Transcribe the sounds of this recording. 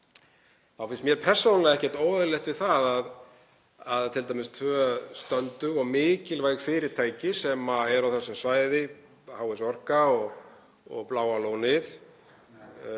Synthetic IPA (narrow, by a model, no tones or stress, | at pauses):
θawfɪnsmjɛɾ̥pʰɛr̥sownalɛɣɛhcɛɾt̪oːwðʏlɛht̪vɪðθaðað | aðt̪ʰɪlt̪ajmɪst̪ʰvœst̪œnt̪ʏɣɔɣmɪːcɪlvaːjɣfɪːɾɪɾ̥t̪ʰaːjcɪsɛmaɛɾawθɛsʏmsvaːjðɪ | haːwɪsɔr̥kaɔɣ | ɔ̰ɣplaːwaloːwnɪθ